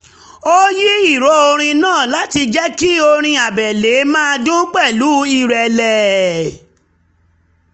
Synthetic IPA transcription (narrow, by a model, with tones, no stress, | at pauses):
o˦ji˦i˦˨ɾɔ˨˧˦o˧ɾ̃ĩ˧nãː˦˨la˦ti˧d͡ʒɛ˦ki˦o˧ɾ̃ĩ˧a˨bɛ˨le˨˦mãː˦˧du˦k͡pɛ˦˨lu˨˦i˦˨ɾɛ˨lɛ˨